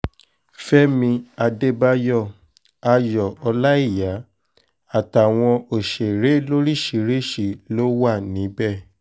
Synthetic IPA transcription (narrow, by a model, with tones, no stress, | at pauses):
fɛ˦mĩ˧a˧de˦ba˦˧jɔ˦˨ | a˧jɔ˨ɔ˧la˦i˦˨ja˨˦ | a˨ta˨w̃ɔ̃˧o˨ʃe˨ɾe˨˦lo˦ɾi˦˨ʃi˨˦ɾe˦ʃi˨lo˦wa˦˨nĩ˨˦bɛ˦˨